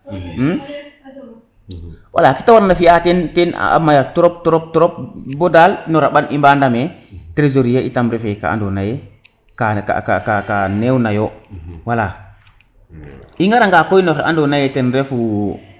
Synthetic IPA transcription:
m̩ | wʔa̰lakitawaɾnafijatenten̰a̰majatɾop̚tɔɾop̚tɔɾop̚bodalnoɾaɓanimbandametɾezoɾijeitamɾefeka̰a̰ndonaje | kaka̰ka̰kakanewnajowala | iŋɡaɾaŋɡakojnoɾa̰ndonajetenɾefu

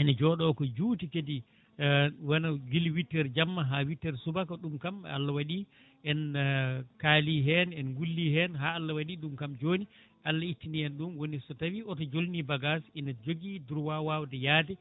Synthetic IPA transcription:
ɛnad͡ʒɔɗɔːkɔd͡ʒuːtikedi | wanaɡilwitːɛɾd͡ʒamːaɦawitːɛɾsubakaɗumkam̰a̰lːawaɗi | ʔɛn | kaːliɦɛnɛnɡulːiɦɛnɦaːlːawaɗiɗumkamd͡ʒoːni | ʔalːaitːiniɛnɗumwonisɔtawiɔtɔd͡ʒolnibaɡasinad͡ʒoɡiduɾwawawdɛjaːdɛ

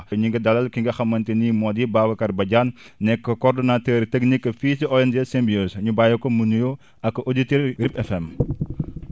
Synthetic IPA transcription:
ɲuŋɡɐdɐlɐlkiŋɡɐxɐmːɐntinimɔdibaːwɐkɐrbɐɟaːnː | ɛkːɐkɔrdɔnatəɾtɛknikːɐfisiʔɔɛnd͡ʒesɛmbioːsɲubaːjɐkɔmunujo | ɐkːɐʔoditeɾripɛfɛm

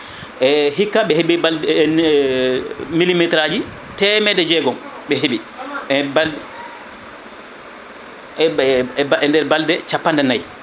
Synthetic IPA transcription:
ʔɛɦikːaɓɛɦeɓial | milimitɾad͡ʒi | tɛmɛdɛd͡ʒɛɡɔmɓɛɦeɓiɛbal | ɛndɛɾbaldɛt͡ʃapːandɛnaj

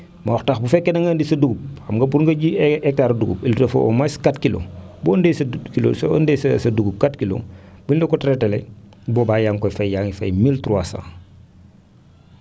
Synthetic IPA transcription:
mɐɔxtaxbufɛkːɛnɐŋɡandisɐduɡup̚ɐmɡɐbuɾŋɡɐɟiɛk̚taɾɐduɡṵpiltɐfɐ̰ʔɔ̰maskatkilo̰bɔndɛjsɐkilo̰sɔ̰ndɛssɐduɡup̚katkilo̰b̥undɛkɔtɾɛtɛlɛ | bɔːbaːjaːŋkɔjfɐjjaːŋifɐ̰jmiltuɾuasã̰ː

